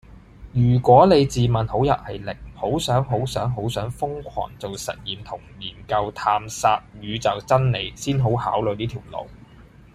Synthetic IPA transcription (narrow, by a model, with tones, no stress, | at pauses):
jyː˨˩kʷɔː˨˥ne˨˧jt͡siː˨mɐ˨˩nho˨˥wjɐ˨t̚hɐ˨˩jlɪ˨k̚ho˨˥wsœː˨˥ŋɦo˨˥wsœː˨˥ŋɦo˨˥wsœː˨˥ŋfʊ˥ŋkʷʰɔ̰ː˨˩ŋt͡so˨wsɐ̰˨t̚jiː˨mt̪ʰʊ˨˩ŋjiː˨˩nkɐ˧wt̪ʰaː˧msaː˧t̚jyː˨˧t͡sɐ˨wt͡sɐ˥nne˨˧jsiː˥nɦo˨˥wha̰ː˨˥wlɵ˨˧jniː˥t̪ʰi˨˩wlo̰˨˩w